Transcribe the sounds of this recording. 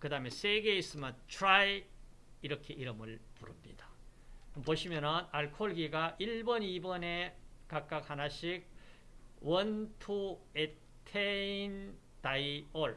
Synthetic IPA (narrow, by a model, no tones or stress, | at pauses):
kɯdaɦmesʰe̞ɡe̞is͈ɯmantʰɾaj | iɾʌkʰe̞ʔiɾɯmɯɭpuɾɯmɲid̥ḁ | poɕʰimjʌnɯnaɭkʰoɭɡiɡaʔiɭbʌnibʌne̞kak̚k͈ak̚hanaɕʰik̚ | wʌntʰue | tʰein | taioɭ